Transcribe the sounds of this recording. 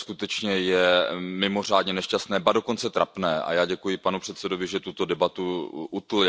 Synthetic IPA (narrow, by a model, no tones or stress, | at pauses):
skut̪ɛt͡ʃɲɛjɛmɪmo̞r̝aːdɲɛnɛʃcast̪nɛːbado̞ko̞nt͡sɛt̪ɾapnɛːʔa̰jaːɟɛkujɪpanupr̝̥ɛt̪sɛdo̞vɪʒɛt̪ut̪o̞dɛbat̪uʔut̪l̩